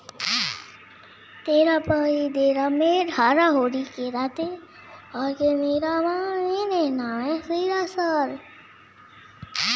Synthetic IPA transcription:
t̪eːɾapəid̪eːɾameːɾɦaːɾaɦoːɾikeɾaːt̪e | ɔːɾkemeːɾaʋãeːnenaɛ̃siɾasaːɾ

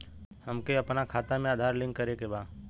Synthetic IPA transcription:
həmkeɐpnakʰaːt̪amẽaːd̪ʱaːɾlɪ̃ŋɡkəɾekebaː

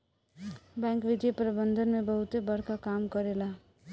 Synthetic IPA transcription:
bãŋkʋid̪jəpɾʌbənd̪ʱənmebʌɦut̪ebʌɽkakamkʌɾela

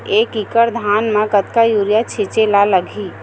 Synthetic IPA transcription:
ekikəɾd̪ʱanmekət̪kajuɾijat͡ʃʰet͡ʃelaləɡʱi

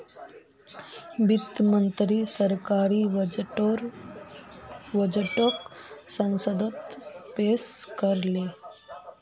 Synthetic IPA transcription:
bit̪mənt̪ɾiːsəɾkaɾiːʋɾ | ʋəd͡ʑʈəksə̃nsəd̪ʱət̪peskəɾle

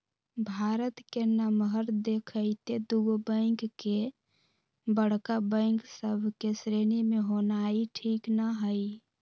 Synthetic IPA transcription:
bʱaɾət̪kenəmɦəɾd̪ekʰəɪt̪ed̪uɡbə̃ŋkke | bəɽkabə̃ɪ̃ksəbʱkesɾenimeɦonaiʈʰiknaɦəj

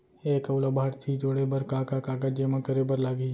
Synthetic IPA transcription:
eːkɐʊlabʱaːɾt̪ʰid͡ʒoːɽebɐɾkaːkakaːkad͡ʒeːmãkəɾebəɾlaːɡi

